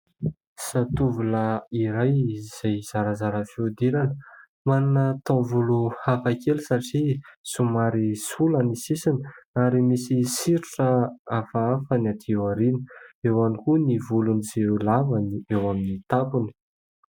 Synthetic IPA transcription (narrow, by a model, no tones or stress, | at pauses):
sat̪uvulaiɾajiz̥ajz̥aɾəzaɾəfiud̪eɾanə | mannat̪õvuluhafakelusaʈ͡ʂisumaɾisulənisisiniaɾimisisiɾiʈ͡ʂəafaafanat̪ʰiewaɾinə̥ewanikunivulunizelavaniewaminit̪apuni̥